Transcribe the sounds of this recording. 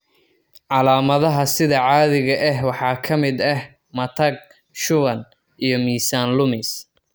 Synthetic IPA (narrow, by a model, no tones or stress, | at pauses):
ʕɑlaːmɐðɐɦɐsɪðɐʕɑːðɪɣɐʔɛɦwɑħɑːkʰɐmɪd̪ɛh | mɐt̪ʰɐɡ̚ | ʃʊβɐn | ijɞmiːsaːnlʊmɪs